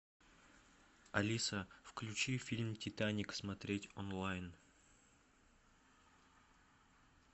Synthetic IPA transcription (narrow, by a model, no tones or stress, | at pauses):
ɐlʲisəfklʲʉt͡ɕifʲilʲmtʲɪt̪anʲɪksmɐt̪ɾʲetʲonlˠajn